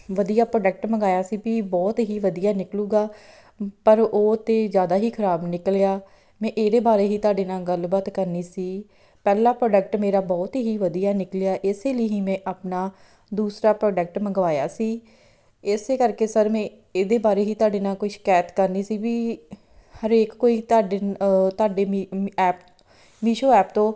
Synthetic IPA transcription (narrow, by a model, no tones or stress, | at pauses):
ʋəd̪ijaːpɾoːɖək̚ʈməŋɡaːjaːsiːpiːbɔːt̪ɦiːʋəd̪ijaːnɪklũːɡaː | pəɾoːt̪ẽːzjaːd̪aːɦiːkʰəɾaːbnɪklejaː | mɛ̃ːʔeːd̪eːbaːɾeːɦiːt̪ʊaːɖeːnãːɡəlbət̪kəɾniːsiː | pɛːlaːpɾoːɖəkʈmeːɾaːbɔːt̪ɦiːʋəd̪ijaːnɪkljaːʔɪseːləiːɦiːmɛ̃ːʔaːpnaː | d̪uːsɾaːpɾoːɖək̚ʈməɡʋaːja̰ːsiː | ɪseːkəɾkeːsəɾmɛ̃ː | eːd̪eːbaːɾeːɦiːt̪ʊaːɖeːnaːkʊʃkɛːt̪kəɾniːsiːʋiː | həɾeːkkoːiːt̪aːɖet̪aːɖeːiɛːp | miːʃoːɛːpt̪õː